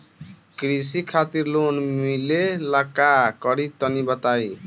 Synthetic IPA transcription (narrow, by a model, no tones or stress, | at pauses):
kɾis̬ikʰat̪iɾlonmilelakakʌɾit̪ʌnibʌt̪aj